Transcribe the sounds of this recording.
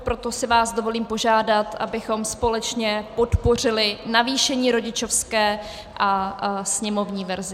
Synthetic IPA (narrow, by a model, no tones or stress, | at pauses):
pɾo̞t̪o̞sɪvaːzdo̞vo̞liːmpo̞ʒaːdat̪ʔa̰bɪxo̞mspo̞lɛt͡ʃɲɛpo̞t̪po̞r̝ɪlɪnaviːʃɛɲiːɾo̞ɟɪt͡ʃo̞fskɛː | ʔasɲɛmo̞vɲiːvɛɾzɪ